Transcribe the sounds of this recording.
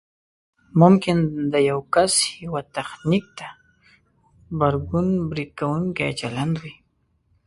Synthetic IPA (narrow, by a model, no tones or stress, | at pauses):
mʊmkɪnd̪ajawkashɪwat̪aχnɪk̚t̪a | baɾɡʊnbɾɪkawʊŋkaat͡ʃaland̪wi